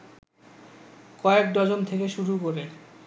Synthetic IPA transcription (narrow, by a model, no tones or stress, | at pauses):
kɔek̚d̪ɔd͡ʑont̪ʰekeʃuɾukoɾe